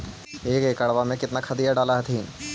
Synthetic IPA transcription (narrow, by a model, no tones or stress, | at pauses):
eːkeːkɐɽʋamẽkɪt̪nakʰɐd̪ijaɖaːlaɦt̪ʰĩː